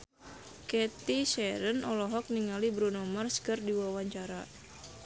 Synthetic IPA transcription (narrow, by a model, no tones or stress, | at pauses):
kɛt̪iʃɛɾənʔɔlɔɦɔk̚niŋalibɾunɔmərskərdiwawaɲt͡ʃaɾa